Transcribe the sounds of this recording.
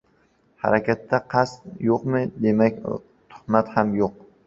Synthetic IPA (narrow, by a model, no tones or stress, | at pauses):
ha̰ɾakʲʰat̪ːaqʰɑst̪joqmɪd̪e̞mak̚ʲ | t̪ʰʊ̥hmat̪hamjoq̚